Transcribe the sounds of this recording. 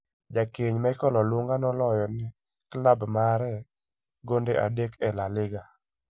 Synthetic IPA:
d͡ʒakeɲmaɪkɔlɔlwoŋɡanɔlɔjɔnɛ | klabmaɾɛ | ɡondeʔa̰dekɛlalɪɡa

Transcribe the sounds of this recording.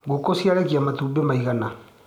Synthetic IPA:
ɡokosjaɾekiamatuːbemaiɣana

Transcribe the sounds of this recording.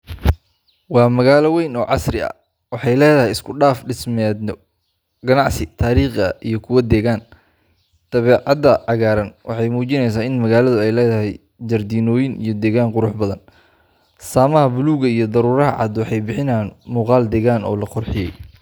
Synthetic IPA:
wɑːmɐɣaːlɐwɛjnɔːʕɑ̰srɪɐ̰ | wɑħɑjlɛːðɐɦɛjɪskʰʊɖaːfɖɪsmɛːd̪nɔ | ɡɐnɑʕsɪt̪ʰaːɾiːχɐ̰ʔijɞkʰʊwɐd̪ɛːɣaːn | t̪ɐβɛːʕɑd̪ɐʕɑɣaːɾɐnwɑ̰ħɑjmuːt͡ʃɪnɛjsaːɪnmɐɣaːlɐðʊɛjlɛːðɐɦɛj | d͡ʒɐrd̪iːnɔːjɪnḭjɞd̪ɛːɣaːnqʊɾʊħbɐðɐn | saːmɐɦɐbʊluːɣɐijɞd̪ɐɾuːɾɐɦɐʕɑ̰d̪wɑħɑjbɪħɪnaːnmuːqɑːld̪ɛːɣaːnɔ̰ːlɐqʊrħɪjɛj

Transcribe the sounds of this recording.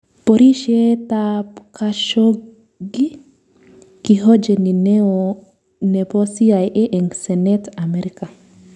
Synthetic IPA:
poɾiʃietapkaʃo | ɡi | kiɦod͡ʒeninɛo | nɛpɔsiajʔeʔɛŋɡsɛnɛtamɛɾika

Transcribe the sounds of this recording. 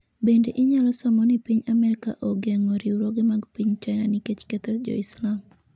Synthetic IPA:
bendeʔɪɲalɔsamɔnipiɲamɛɾikaʔoɡeŋoɾiuɾoɡemaɡpiɲt͡ʃaɪnaniket͡ʃkɛt̪ɛrd͡ʒɔ̰ɪslam

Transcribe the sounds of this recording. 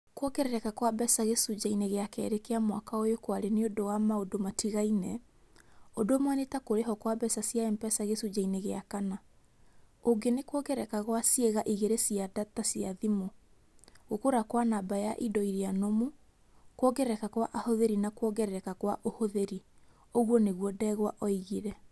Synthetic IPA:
kwɔɡɛɾɛɾɛkakwabɛsaɣesud͡ʑaineɣeakɛ̰ɾekeamwakaojokwaɾeneodowamaodomatiɣainɛ | ondomwanetakoɾeɦɔkwabɛsasijaɛmbɛsaɣesud͡ʑaineɣeakana | oŋɡenekwɔɡɛɾɛkaɣwasjeɣaʔiɣeɾesiadatasiaðimo | ɣokoɾakwanabajaʔidɔiɾianomu | kwɔɡɛɾɛkakwaʔahoðeɾinakwɔɡɛɾɛɾɛkakwa̰ʔohoðeɾi | oɣwɔneɣwɔdɛɣwaʔɔiɣiɾɛ

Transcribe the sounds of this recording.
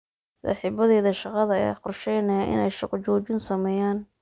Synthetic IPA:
sɑ̰ːħiːbɐðɛːðɐʃɑqɑðɐɛ̰qʊrʃɛjnɐjaʔɪ̰nɛjʃɑqt͡ʃɔːt͡ʃɪnsɐmɛːjaːn

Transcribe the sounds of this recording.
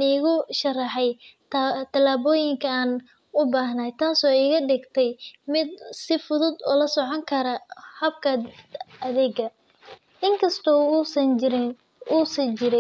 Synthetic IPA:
niːɣʊʃɐrɐħɛj | t̪ʰɐlaːβɔːjɪŋkʰɐaːn | ʊbaːɦnaːjt̪ʰaːsɔːiːɣɐɖɪɡt̪ʰɛjmɪd̪̚sɪfʊðʊd̪ɔ̰ːlɐsɔʕɔŋkʰɐɾɐhɐb̚kʰɐɐðɛːɡɐ | ʔɪŋkʰɐst̪ʰɔːsɐnɪɾ | uːsɐt͡ʃɪɾɪ

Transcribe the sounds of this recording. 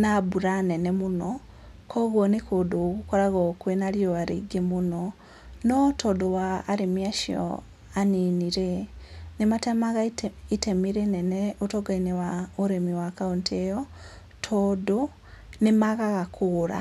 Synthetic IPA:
nabuɾanenemuno | kʰoɣwonekʰodoɣukoɾaɣokwenaljoaɾḭɡemuno | notʰodowaːɾemiaʃio̰ | aniniɾenematemaɣaitemiɾeneneotoɡainewaoɾemiwakauntʰejo | tʰodo | nemaɣaɣakʰuɾa̰

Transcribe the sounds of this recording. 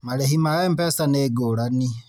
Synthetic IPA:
maɾehimaɣampɛsaneɡoɾani

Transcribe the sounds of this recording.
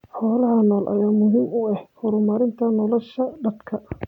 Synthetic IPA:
ħɔːlɐɦɐnɔːlʔɐ̰jaːmʊɦiːmʊɛhhɔɾʊmaːɾɪnt̪ʰɐnɔlɔʃɐɖɐd̪kʰɐ

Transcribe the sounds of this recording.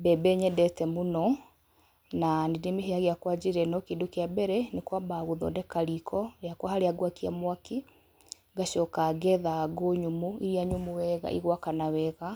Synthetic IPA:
bɛbɛɲɛdɛtɛmunɔ | nanedemeɦeaɣeakwad͡ʑeɾɛnɔkiːndokeabɛɾɛnekwabaɣoðɔ̰dɛkaɾikʰɔɾeakwahaɾeaɡwakiamwaki | ɡaɕɔkaɡɛðaɡoɲumuiɾiaɲumuwɛɣa̰ʔḭɣwakanawɛɣa

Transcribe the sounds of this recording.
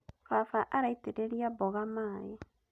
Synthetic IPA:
fafaʔaɾaiteɾeɾijaboɣamaːje

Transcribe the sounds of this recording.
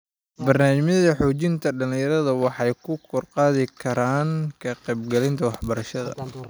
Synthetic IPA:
bɐrnaːmmɪðɐħɔːt͡ʃɪnt̪ʰɐɖɐlɪ̃jɐɾɐðɐwɑħɑjkʰʊkʰɔrqɑːðɪkʰɐɾaːŋkʰɐqɛjb̚ɡɛlɪnt̪ʰɐwɑħbɐɾɐʃɐðɐ̰

